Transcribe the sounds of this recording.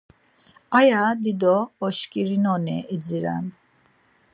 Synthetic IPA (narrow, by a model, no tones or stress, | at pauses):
ajad̪id̪ɔːʃkʼiɾinɔnɛɛd͡ziɾa̰n